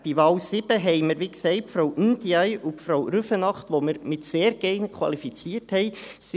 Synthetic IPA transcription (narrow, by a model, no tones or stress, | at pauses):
b̥iʋɑːlsɪb̥əɦɛɪməɾʋiːksɛɪt̚pfɾoʊʔindiæjʔupfɾowɾʉfənɑχtʋoməɾmɪtseːɾɡɛnəkʰwɑ̰lifit͡siːəthɛɪ | s